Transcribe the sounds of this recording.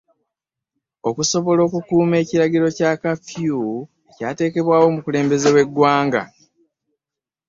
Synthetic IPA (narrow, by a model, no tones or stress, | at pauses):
o̞kuso̞βo̞lo̞ːkukuːme̞ːciɾaɟiɾo̞caːkafju | ecaːte̞ːke̞βwaːwo̞mukule̞ːmbe̞ze̞we̞ɡːwaːŋɡa̰